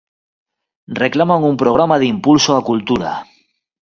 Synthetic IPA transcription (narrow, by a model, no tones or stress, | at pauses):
re̞klamaŋumpɾoɣ̞ɾamað̞impulsoakult̪uɾa̰